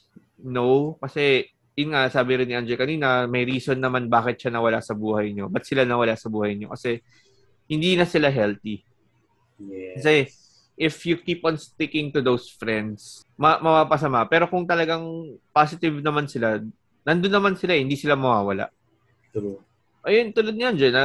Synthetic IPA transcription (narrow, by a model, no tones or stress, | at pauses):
nowkɐsɛ | jʊnŋasaːbɪɾɪnːɪʔand͡ʒɛkɐniːnɐmɐjɾiːsonːɐmanbaːkɪt̪̚ʃanɐwɐlaʔsɐbuːhɐjɲo̞bɐt̪̚sɪlanɐwɐlaʔsɐbuːhɐjɲo̞̰kɐsɛ | hɪnd̪iːnɐsɪlaɦɛlt̪i | kɐsɛ | ʔɪfjukiːpɐnst̪ɪkɪŋt̪ʊd̪owsfɾɛnd̪s | mɐmɐpapɐs̬ɐmaʔpɛːɾo̞kʊŋt̪ɐlɐɡaŋpaːs̬ɪt̪ɪvnɐmansɪla | nɐnd̪onːɐmansɪlaʔhɪnd̪iːsɪlamɐwaːwɐla̰ʔ | ʔɐjont̪ʊlod̪nɪand͡ʒɛnɐ